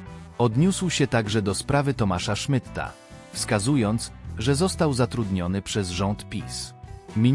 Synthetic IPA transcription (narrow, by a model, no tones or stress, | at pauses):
ɔd̪ɲuswɕɛt̪aɡʐɛd̪ɔspɾavɘt̪ɔmaʂaʂmɘt̪ːa̰ | fskazujɔnt̪sʐɛzɔst̪awzat̪ɾud̪ɲɔnɘpʂɛzʐɔnt̪pʲismʲi